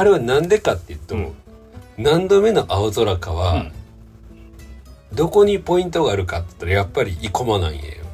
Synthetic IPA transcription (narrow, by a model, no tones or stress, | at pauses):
aɾe̞βanãnd̪e̞kat̪ːe̞jɯ̟t̪ːo̞̰ | nãnd̪o̞me̞no̞ʔaozo̞ɾakaβa | d̪o̞ko̞ɲ̟ipo̞ĩnt̪o̞ɡaːɾɯ̟kat̪ːe̥t̪ːaɾajapːaɾʲiʔiko̞manã̰ḭ̃ja̰jo